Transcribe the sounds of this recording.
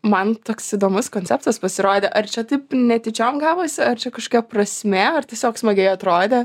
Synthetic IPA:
mɐnt̪oːksɪd̪oːmʊskoːnʲt͡sʲɛp̚t̪ɐspɐsʲɪɾoːd̪ʲeʔɐrt͡ʃʲɛt̪ɐɪpnʲɛt̪ʲɪt͡ʃʲoːmɡɑːʋoːsʲɪɐrt͡ʃʲɛkɐʃko̥ːkʲɛprɐsʲmʲeɐrt̪ʲiɛsʲoːksmɐɡʲɛɪɐt̪ɾoːd̪ʲeː

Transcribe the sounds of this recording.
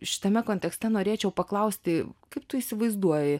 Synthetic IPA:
ʃʲɪ̥t̪ɐmʲɛkoːnʲt̪ʲɛksʲt̪ʲɛnoːɾʲeːt͡ʃʲɛʊpɐklˠɐʊsʲt̪ʲɪkɐɪp̚t̪ʊiːsʲɪʋɐɪzd̪uɔjɪ

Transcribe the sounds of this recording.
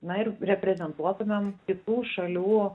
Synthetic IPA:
nɐɪɾɾʲɛpʲɾʲɛzʲɛnt̪uɔt̪ʊmʲɛmkʲɪt̪uːʃɐlʲuː

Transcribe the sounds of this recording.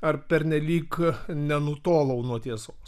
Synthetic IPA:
ɐrpʲɛɾʲnʲɛlʲiːknʲɛnʊt̪oːlˠɐʊnuɔt̪ʲiɛsoːs

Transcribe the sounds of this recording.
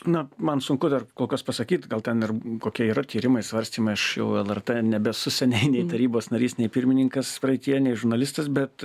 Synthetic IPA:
nɐmɐnsʊŋkʊd̪ɐrkoːlˠkɐspɐsɐkʲiːt̪ɡɐlˠt̪ʲɛnɪrkoːkʲiɛiːɾɐt̪ʲiːɾʲɪmɐɪsʋɐɾʲsʲt̪ʲiːmɐɪɐʃjɛʊɛlˠɛrt̪eːnʲɛbʲɛsʊsʲɛnʲɛɪnʲɛɪt̪ɐɾʲiːboːsnɐɾʲiːsnʲɛɪpʲɪɾʲmʲɪnʲɪŋkɐspɾɐɪt̪ʲijɛnʲɛɪʒʊɾnɐlʲɪst̪ɐsbʲɛt̪

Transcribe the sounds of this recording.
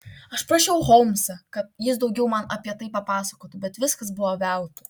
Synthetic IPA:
ɐʃpɾɐʃʲɛʊɣɔʊmʲsɐkɐt̪jɪsd̪ɐʊɡʲɛʊmɐnɐpʲiɛt̪ɐɪpɐpɑːsɐkoːt̪ʊbʲɛt̪ʋʲɪskɐsbʊʋoːʋʲɛʊt̪ʊ

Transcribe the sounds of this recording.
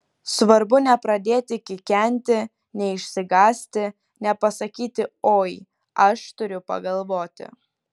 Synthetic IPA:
sʋɐɾbʊnʲɛpɾɐd̪ʲeːt̪ʲɪkʲɪkʲɛnʲt̪ʲɪ | nʲɛɪʃʲsʲɪɡɑːsʲt̪ʲɪ | nʲɛpɐsɐkʲiːt̪ʲɪoːj | ɐʃt̪ʊɾʲʊpɐ̰ɡɐlˠʋoːt̪ʲɪ̰

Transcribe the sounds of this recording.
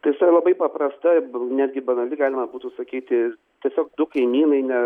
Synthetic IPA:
t̪ɐɪɪsɐlˠɐbɐɪpɐpɾɐst̪ɐnʲæːd̪ʲɡʲɪbɐnɐlʲɪɡɑːlʲɪmɐbuːt̪uːsɐkʲiːt̪ʲɪ | t̪ʲiɛsʲoːk̚d̪ʊkɐɪmʲiːnɐɪnʲɛ

